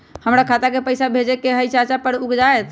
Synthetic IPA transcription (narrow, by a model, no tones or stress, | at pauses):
həmɾakʰat̪akepəjsabʱed͡ʒekeɦəjt͡ʃat͡ʃapəɽukd͡ʒaet̪